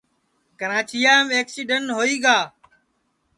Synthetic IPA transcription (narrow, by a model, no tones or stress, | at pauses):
kəɾãːt͡ʃijaːmeːksiːɖənɦoːiːɡaː